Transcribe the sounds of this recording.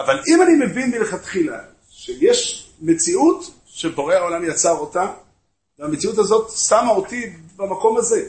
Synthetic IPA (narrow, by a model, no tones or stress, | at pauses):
avalimanime̞vinbileχat̪χila̰ | ʃejeʃ | me̞t͡siut | ʃebo̞ʁeao̞lamjat͡saʁo̞ta | veamet͡siut̬azo̞tsamaotibamako̞maze̞